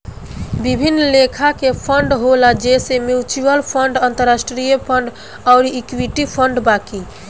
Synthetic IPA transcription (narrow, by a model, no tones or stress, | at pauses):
bibʱinːlekʰakepʰəɳɖɦolad͡ʒesemjut͡ʃuəlpʰəɳɖant̪əɾːasʈɾijəpʰəɳɖ | aʊɾiikwiʈipʰəɳɖbaki